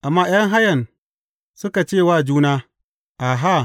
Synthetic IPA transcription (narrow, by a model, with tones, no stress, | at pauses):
ʔa˨mːaː˦j̰ɐ˦ŋɦa˦jɐ˨n | sʊ˦ka˨t͡ʃeː˦˨waː˦˨d͡ʒuː˦naː˦ | ʔa˨ɦa˦˨